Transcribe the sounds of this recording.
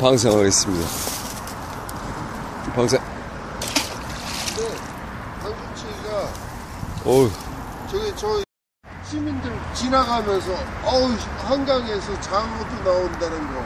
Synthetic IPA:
paŋs̬ʰaŋɦaɡe̞s͈ɯmɲida̰ | paŋs̬ʰe | kde | taŋsʰont͡ɕʰeɡa | o | t͡ɕeɡet͡ɕʌi | ɕʰimindɯɭt͡ɕinaɡamjʌnsʰʌahʌnɡaŋe̞sʰʌt͡ɕaŋɡodonaondanɯnɡʌ

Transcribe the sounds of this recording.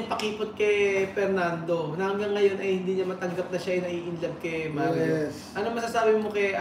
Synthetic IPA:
ŋpɐkiːpot̪̚kɛfɛɾnand̪o̞nɐhɐŋɡɐŋːɐjo̞nʔɐjhɪnd̪iːɲɐmɐt̪ɐŋɡɐp̚nɐʃaʔɛnɐʔiːʔɪnlɐb̚kɛma | ʔɐnoŋmɐsasaːbɪmokɛ

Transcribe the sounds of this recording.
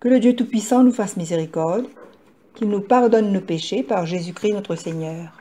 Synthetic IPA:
kələd̪jøt̪upɥisɑ̃nufasmizeʁikɔʁd̪ | kilnupaʁd̪ɔnːopeʃepaʁʒezykχinɔt̪χəseɲœːʁ

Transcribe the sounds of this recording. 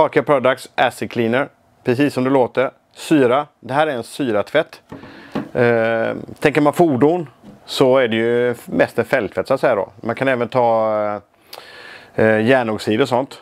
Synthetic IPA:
ɑːkapʰɾɔd̪aksʔæsɪkʰliːnəɾ | pʰɾɛsiːsːɔmd̪ɛloːt̪əɾ | syːɾad̪ɛɦæːɾæɾɛnsyːɾat̪ʰvɛt̪ː | t̪ʰɛŋkəɾmanfuːɖʊnsɔæɖɛjɵmɛst̪ɛnfɛlt̪ʰvɛt̪sʊat̪sɛjad̪ɔ̰mankʰanɛːvənt̪ʰɑː | jæːɳɔɡsiːd̪əɾɔsɔnt̪

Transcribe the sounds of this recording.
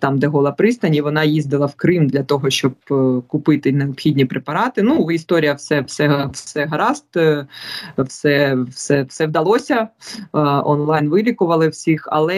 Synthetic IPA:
t̪ɑmd̪ɛɦɔlˠɐpɾɪst̪ɐnʲiʋɔnɑjizd̪ɪlˠɐwkɾɪmd̪lʲɐt̪ɔɦɔʃt͡ʃɔb̚kʊpɪt̪ɪneɔpxʲidʲnʲipɾepɐɾɑt̪ɪnuist̪ɔɾʲijɐwsɛwsɛɦsɛɦɐɾɑst̪ | wsɛsɛwsɛwd̪ɐlˠɔsʲɐ | ɔnlˠɑjnʋɪlʲikʊʋɐlˠɪwsʲixɐ̰lˠɛ

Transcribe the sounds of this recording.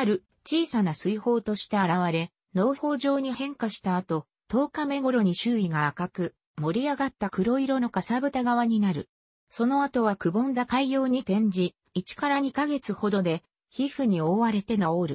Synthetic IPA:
aɾɯ̟ | t͡ɕiːsanasɨiho̞ːt̪o̞ɕi̥t̪aaɾaβaɾe̞ | no̞ːho̞ːʑo̞ːɲ̟ihẽ̞ŋkaɕi̥t̪aːt̪o̞ | t̪o̞ːkame̞ɡo̞ɾo̞ɲ̟iɕɨːiɡaːkakɯ̟ | mo̞ɾʲiaɡat̪ːakɯ̟ɾo̞iɾo̞no̞kasabɯ̟t̪aɡaβaɲ̟inaɾɯ̟̰ | so̞no̞at̪o̞βakɯ̟bõ̞nd̪akaijo̞ːɲ̟it̪ẽ̞ɲ̟d͡ʑiː | t͡ɕi̥kaɾaɲ̟ikaɡe̞t͡sɨho̞d̪o̞d̪e̞ | çiɸɯ̟ɲ̟io̞ːβaɾe̞t̪e̞naoɾɯ̟

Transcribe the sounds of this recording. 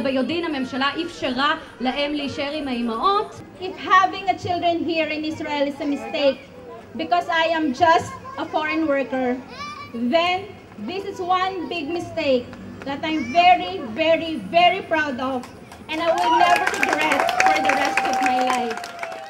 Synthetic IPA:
bɐjod̪inɐmɛ̃mʃɐlaʔɪfʃɛɾa | lɐʔɛmliʃɛɾimɐimɐʔɔt̪ | ʔɪfhavɪ̃ŋɐt͡ʃɪld̪ɹɛ̃nɦiɹɪ̃nɪsɹaɛlɪsɐmɪst̪eɪk̚ | bɪkɔsajɐ̃md͡ʒɐst̪̚ʔɐfɔɹɛ̃nwɜɹkəɹ | ðɛ̃n | ðɪsɪswɐ̃nbɪɡ̚mɪst̪eɪk̚ | ðɐt̪ãjmvɛɹivɛɹivɛɹipɹawd̪ɔv | ʔɛ̃najwɪlnɛvəɹɹɪɡɹɛt̪̚fɔɹðɐɹɛst̪ɔvmajlajf

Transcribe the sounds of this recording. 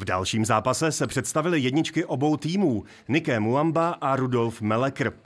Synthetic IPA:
vda̰lʃiːmzaːpasɛsɛpr̝̥ɛt̪st̪avɪlɪjɛdɲɪt͡ʃkɪʔo̞bo̞wt̪iːmuː | nɪkɛːmuambaʔaɾudo̞lfmɛlɛkɾ̩

